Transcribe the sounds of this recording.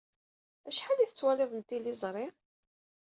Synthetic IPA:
æʃħaliθət͡sːwælɪðˤənt̪ilizˤɾˤɪɾ

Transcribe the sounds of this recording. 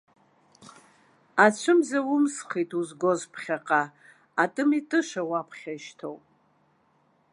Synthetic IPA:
at͡ʃʷʰɨmzawʊmsχejtʰuzɡozpʰχʲaqʼa | atʼɨmitʼɨʃawapʰχʲaʃtʰo̰wpʼ

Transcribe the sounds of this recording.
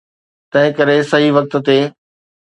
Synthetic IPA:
t̪ɐ̃ɦɪ̃kɐɾesɐɦiʋɐk̚t̪̆t̪eː

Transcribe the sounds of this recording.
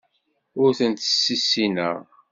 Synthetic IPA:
ʊɾθənt̪ə̥sːisːinəʁ

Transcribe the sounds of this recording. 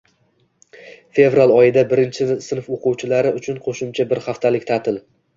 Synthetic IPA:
fe̞vɾalˠɒjɪd̪abɪɾɪnt͡ʃʰɪsɪnfoqʰʊwt͡ʃʰɪlaɾɪʔʊt͡ʃʰʊnqʰoʃʊmt͡ʃʰabɪɾhaft̪ʰalɪkʲt̪ʰat̪ʰɪl

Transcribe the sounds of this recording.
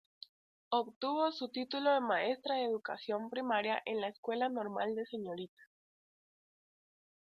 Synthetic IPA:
oβt̪uβosut̪it̪uloemaest̪ɾaðeðuka̰sjo̞mpɾimaɾjaʔenlaeskwe̞lanoɾma̰ld̪e̞seɲoɾit̪ḁ

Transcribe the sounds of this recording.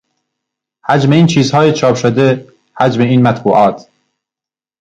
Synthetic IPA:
hæd͡ʒme̞iːnt͡ʃʰiːzhɒːjet͡ʃʰɒːpʃod̪e | hæd͡ʒmeiːnmæt̪buːʔɒːt̪ʰ

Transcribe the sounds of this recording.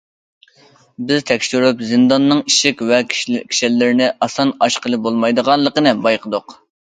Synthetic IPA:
bɪzt̪ʰɛkʲʃyɾypzɪnd̪ɑnːɨŋiʃɪkʲvɛkʲʰi̥ʃɪlːɪɾnɪʔɑsɑnɑʃqəlˠɨbolˠmɑjd̪əʁɑnlˠəqənɨbɑjqəd̪ʊq

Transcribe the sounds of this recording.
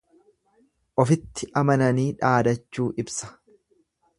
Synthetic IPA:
ʔɔfɪt̪ːɪʔɐmɐnɐniːᶑaːd̪ɐt͡ʃːuːʔɪbsɐ̥

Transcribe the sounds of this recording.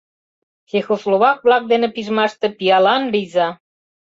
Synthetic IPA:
xexoslˠoβɑk̚βlɑk̚d̪enĕpiʒmɑʃt̪ĕpiɑlɑnlizɑ

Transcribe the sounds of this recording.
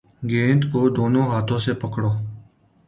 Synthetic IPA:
ɡẽːnt̪koːd̪oːnõːɦaːt̪ʰõːsepəkɽoː

